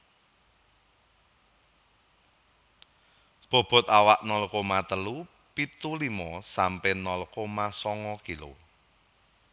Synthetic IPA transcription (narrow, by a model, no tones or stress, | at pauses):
b̥ɔ̤b̥ɔ̤t̪awaʔnɔlkomat̪əlu | pit̪ulimɔsampɛnɔlkomasɔŋɔkilo̰